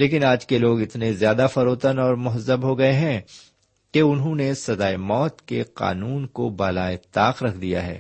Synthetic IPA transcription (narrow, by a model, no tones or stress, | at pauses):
leːkɪnaːd͡ʒkeloːɡɪt̪nezjaːd̪afɐɾoːt̪ənɔːɾmʊɦəzːəbɦoɡɐeɦɛ̃ | keʊnɦõnesɐd̪aːemɔːt̪keqa̰ːnuːnkobaːlaːet̪aːqɾɐkʰd̪ija̰ɦɛ̰ː